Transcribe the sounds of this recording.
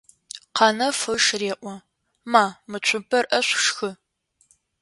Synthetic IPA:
qɑnɐfɨʂreːʔʷɔ | maːmɨt͡ʃʷʰʊpʰɐrʔɐɕʷʂxɨ

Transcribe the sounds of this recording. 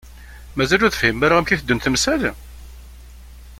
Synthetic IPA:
mæzælʊɾðəfhimːæɾaʁæmçiθəd̪ːənθəmsæl

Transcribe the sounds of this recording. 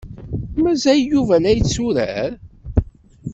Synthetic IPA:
mæzæjːuvælæjt͡sːuɾæ̰ɾ

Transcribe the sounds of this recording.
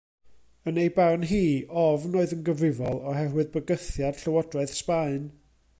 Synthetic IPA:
ənejbarnɦiːʔɔvnoːɨðənɡəvɪvɔlˠɔɦɛrwɨðbəɡəθjad̥ɬəwɔdrɔɨð̥spaɨn

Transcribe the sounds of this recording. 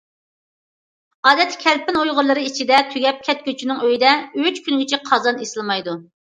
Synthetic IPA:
ɑːd̪ɛt̪kʲʰɛlpɪnojʁʊɾlˠɨɾɨit͡ʃʰid̪ɛt̪ʰyɡʲɛp̚kʲʰɛt̪̚kʲøt͡ʃʰynɪŋøjid̪ɛyt͡ʃkʲynɡʲet͡ʃʰɛqʰɑzɑnesɨlˠmɑjd̪u

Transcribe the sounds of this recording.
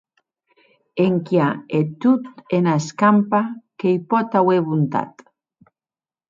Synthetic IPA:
eŋkjaet̪ut̪enaeskampakejpɔt̪aweβunt̪a̰t̪

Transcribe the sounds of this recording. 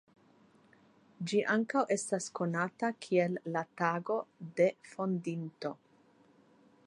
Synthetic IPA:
d͡ʒiʔaŋkawʔe̞stasko̞natakʰielːat̪aɡo̞d̪e̞fo̞nd̪int̪o̞

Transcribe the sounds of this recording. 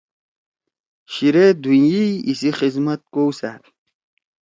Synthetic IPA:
ɕiɾed̪unjiisiχizmɐt̪̚kowsaɾ

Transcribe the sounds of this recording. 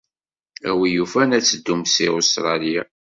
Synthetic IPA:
æwijufænæt͡sːəd̪ːumsiost̪ɾˤɑlija

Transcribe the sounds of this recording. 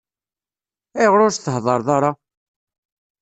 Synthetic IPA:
æjʁɾʊɾθəhðˤɑɾðˤɑɾˤɑ

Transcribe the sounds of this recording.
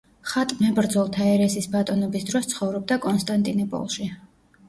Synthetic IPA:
χat̪ʼmɛbɾd̪zɔlˠt̪ʰaɛɾɛsisbat̪ʼɔnɔbisd̪ɾɔst̪sʰχɔvɾɔb̚d̪akʼɔnst̪ʼant̪ʼinɔpʼɔ̰lˠʃi

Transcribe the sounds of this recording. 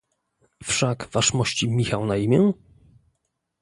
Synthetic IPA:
fʂakvaʂmɔɕt͡ɕimʲixawnaimʲjɛ

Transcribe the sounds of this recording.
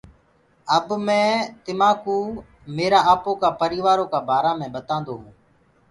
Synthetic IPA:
əbmẽːt̪ɪmaːkuː | meːɾaːaːpoːkaːpəɾiːʋaːɾoːkaːbʱaːɾaːmẽːɓət̪ãːnd̪oːɦũː

